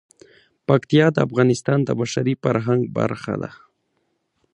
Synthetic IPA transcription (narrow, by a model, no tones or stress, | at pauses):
pakt̪ijɑd̪əafɣɑnɪst̪ɑnd̪ə̰baʃaɾifaɾɦaŋɡ̚ba̰ɾxa̰d̪a̰